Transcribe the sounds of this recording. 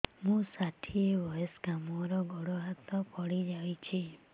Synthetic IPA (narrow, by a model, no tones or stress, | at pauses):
mũsaʈʰiebɔjɔsɡamɔɾɔɡʱɔɽɔɦat̪ɔpɔɽid͡ʒaʋit͡ʃʰi